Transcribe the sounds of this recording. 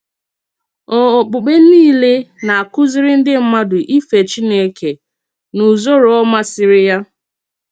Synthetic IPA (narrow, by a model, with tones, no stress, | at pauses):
ɔ˨ɔ˨k͡pʊ˨k͡pe˦n̩˦iː˦˨le˦na˨a˨kʊ˦zɪ˦ɾɪ˦n̩˦dɪ˦m̩˦ma˦dʊ˨ʔi˦fe˨t͡ʃi˦ne˦ke˨ | nu˨zo˦ɾɔ˦ma˦sɪ˨ɾɪ˦ja˦